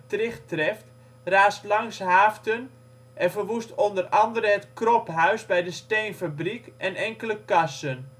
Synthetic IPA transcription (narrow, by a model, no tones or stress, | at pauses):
trɪxtrɛft | raːstlɑŋsɦaːftən | ʔɛnfərʋustondərɑndəɾəətkropɦœɥsbɛjdəstejnfabrikʔɛnɛŋkələkasən